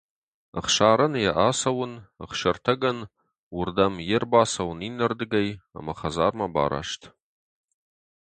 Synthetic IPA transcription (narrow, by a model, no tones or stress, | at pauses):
ə̰χʂaːɾɨnjaʔaːsɐwʊnə̰χʃɐrtʰɐɡɐn | wʊrdɐmjɪrbaːsɐwninɐrdɨɡɐja̰maχazaːrmaba̰ːɾa̰ʂtʰ